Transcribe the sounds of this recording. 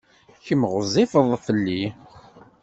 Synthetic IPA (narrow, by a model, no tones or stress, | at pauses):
çəmʁəzˤːɪfəðˤθəlːi